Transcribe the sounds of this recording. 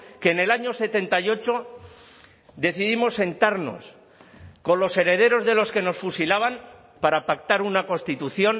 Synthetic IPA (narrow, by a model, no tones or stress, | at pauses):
ke̞ːne̞laɲo̞se̞t̪e̞nt̪ajo̞t͡ʃo̞ | d̪e̞θiðimo̞sːe̞nt̪aɾno̞̰s | ko̞nlo̞se̞ɾe̞ð̞e̞ɾo̞zðe̞lo̞ske̞no̞sfusilaβ̞an | paɾapak̚t̪aɾunako̞nst̪it̪uθjo̞n